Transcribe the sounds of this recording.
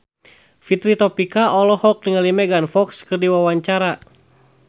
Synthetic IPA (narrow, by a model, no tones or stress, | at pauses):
fit̪ɾit̪ɔpikaʔɔlɔhɔk̚diŋalimɛɡanfɔkskɨrdiwawaɲt͡ʃaɾa